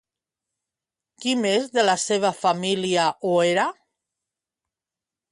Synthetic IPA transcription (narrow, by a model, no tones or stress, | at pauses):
kimezðelaseβ̞afamiliaʔoeɾa